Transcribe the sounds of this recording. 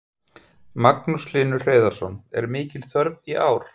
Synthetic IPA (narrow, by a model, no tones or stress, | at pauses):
maknuslɪːnʏr̥eːðaɾ̥sɔnɛ̰ɾmɪːcɪlθœɾviʔaːwɾ̥